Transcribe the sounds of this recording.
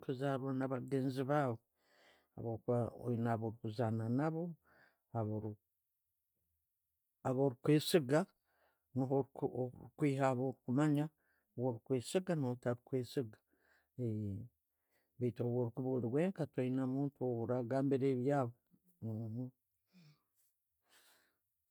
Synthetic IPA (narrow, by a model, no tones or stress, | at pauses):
kuzaɾanaβaɡeːnziβaːβo | a̰βoko̰inaβoɾikuzananaβo̞ | aβoɾ | aβoɾikweːsiɡa | niɦookwiːhaβoɾikumaɲa | woɾikweːsiɡanhotaɾikweːsiɡḁ | e | βeitowoɾikuβoliweːŋkatojinamuːntouɾaɡaːmbiɾeβjaːβo